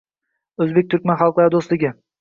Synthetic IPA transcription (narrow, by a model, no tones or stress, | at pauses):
ɵzbek̚ʲt̪ʰʊɾkʲmanχɑlˠqlˠaɾɪd̪oslˠɪɡʲɪ